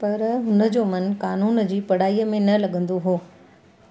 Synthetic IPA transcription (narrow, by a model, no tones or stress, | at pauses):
pɐɾɦʊnə̆d͡ʑoːmɐn̆kaːnuːn̆d͡ʑiːpɐɽ̤aːijəmẽnɐlɐɠə̃nd̪oɦoː